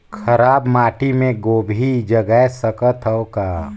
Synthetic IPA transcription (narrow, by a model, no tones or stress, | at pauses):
kʰɐɾaːbmaːʈimẽɡoːbʱid͡ʒəɡəɛsəkət̪ʰəokaː